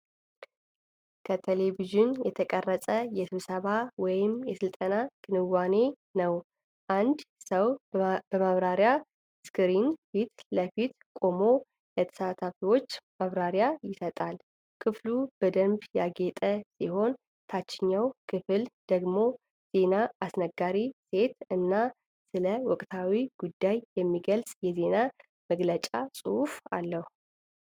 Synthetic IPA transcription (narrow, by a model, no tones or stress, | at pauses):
kʰət̪ʰele̞viʒɪnjɛt̪ʰəkʼərːəsʼəjɛsɨβsəβawɔjɪmjɛsɨlt̪ʼənaɡ̥ɨnɨwːane̞ | nəw | ʔand̪səwbəmaβɾaɾja | skʰɨɾinfit̪ləfit̪ | kʼo̞mo̞ | lət̪ʰə̥sat̪ʰafiwo̞t͡ʃːmaβɾaɾjajɪsət̪ʼal | kʰɨflub̥əd̪əmbjaɡet̪ʼəsiho̞n | t̪ʰat͡ʃːɪɲːawkʰɨfɨld̪̥əɡmo̞ | z̥e̞naasnəɡːaɾise̞t̪ɨnːa | sɨləwɔkʼt̪ʰawiɡ̥ud̪ːajjɛmːiɡəlsʼjɛze̞na | məɡlət͡ʃʼasʼuhufa̰lːəhu